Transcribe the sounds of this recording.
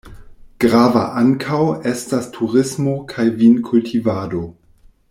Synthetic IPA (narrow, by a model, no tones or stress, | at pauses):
ɡ̥ʁava̰ʔaŋkʰawe̞stastʰuʁɪsmokʰajvinkʰultʰivaːdo̞